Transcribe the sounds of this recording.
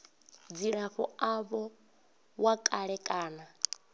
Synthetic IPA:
d͡ziɺaɸɔaβɔ | wakʼaɺɛkʼaːna

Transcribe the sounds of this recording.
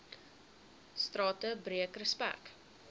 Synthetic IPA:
strɑːtəbɾiəkrəspæ̰k

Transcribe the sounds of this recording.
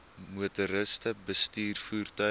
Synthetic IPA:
muətuɾəstəbəstiːrfuːrtœ

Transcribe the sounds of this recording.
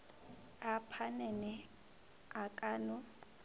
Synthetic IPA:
apʰanɛnɛ | akʼaːnʊ

